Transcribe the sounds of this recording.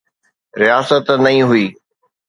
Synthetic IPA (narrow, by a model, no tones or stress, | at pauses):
ɾijaːsət̪nɐĩːɦʊiː